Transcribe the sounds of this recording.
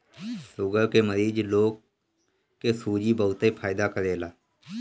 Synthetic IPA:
sʊɡəɾkeːməɾiːd͡ʒloːkː | eːsuːd͡ʒiːbəʊt̪eːpʰaːɪd̪aːkəɾeːlaː

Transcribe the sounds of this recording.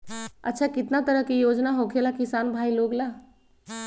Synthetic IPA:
ɐ̰tːʃʰakɪt̪nat̪əɾəɦkijoːd͡ʒnaɦoːkʰelakɪsaːnbʱaːiloːɡlaː

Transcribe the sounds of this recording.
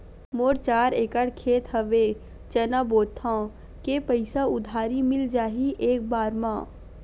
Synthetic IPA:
moːɾt͡ʃaːɾeːkəɽkʰeːt̪ɦəʋe | t͡ʃənaboːt̪ʰã | kepəɪsaʊd̪ʱaːɾimɪld͡ʒaːɦiʔeːk̚baːɾmã̰ː

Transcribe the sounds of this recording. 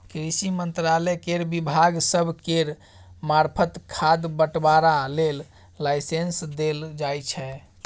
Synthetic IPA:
kɾisimənt̪ɾalɛkeɾbibʱaɡsəbʱkeɾ | maɾpʰət̪kʰad̪bəʈbaɾalelː | ajsensd̪eld͡ʒajt͡ʃʰɛ

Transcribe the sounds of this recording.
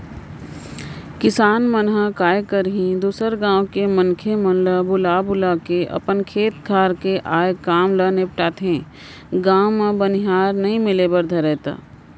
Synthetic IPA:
kɪsaːnmənɦakaːjkəɾɦĩd̪uːsəɾɡãːõkemənkʰemənləbʊlaːbʊlakeʔɐ̰pənkʰeːt̪̚ɡʱaːɾkeʔaːekaːmlənepʈaːt̪ẽː | ɡãːmãbənɪɦaːɾnɐɦĩmɪlebəɾd̪ʱəɾɛːt̪a̰ː

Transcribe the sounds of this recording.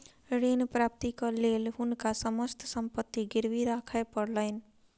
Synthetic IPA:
ɾeːnpɾaːp̚t̪ikaleːlɦʊnkasəməst̪ʰsə̃mpət̪ːiɡɪɾʋiɾaːkʰapəɽləɪn

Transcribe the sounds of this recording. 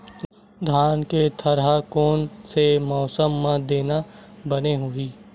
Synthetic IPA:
d̪ʱaːnket̪ʰəɾɦakoːnsemɔːsəmːãd̪eːnabəneɦʊiː

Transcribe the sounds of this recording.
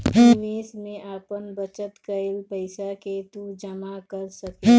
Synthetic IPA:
piːmeːsmẽʔaːpənbət͡ʃət̪kəɪlpəɪsaket̪ud͡ʒəmakəɾsəke

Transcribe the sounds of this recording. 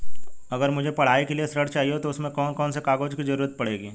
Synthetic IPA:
ɐɡəɾmʊd͡ʒʱepɐɽ̤aːekeliesɾəɽt͡ʃaːɦiot̪oʊsmẽkɔːnkɔːnsekaːɡoːd͡ʒkizɐɾuːɾət̪̚pɐɽ̤eːɡiː

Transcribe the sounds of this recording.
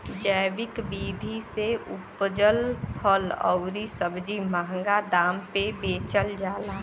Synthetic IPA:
d͡ʒəjʋɪkbiːd̪ʱiseʊ̰pd͡ʒəlpʰəlɔ̰ʊɾisəbʱd͡ʒimaɦəŋɡad̪aːmpebeːt͡ʃəld͡ʒaːlaː

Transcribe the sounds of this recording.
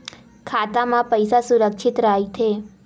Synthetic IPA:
kʰat̪amãpəjsasuɾəkʃʰit̪ɾaɦit̪ʰe

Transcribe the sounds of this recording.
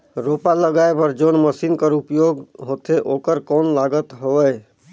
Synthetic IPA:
ɾoːpaləɡaepəɾd͡ʒoːnməsiːnkəɾupjoːɡɦot̪eʔoːkəɾkɔːnlaːɡət̪ɦoəː

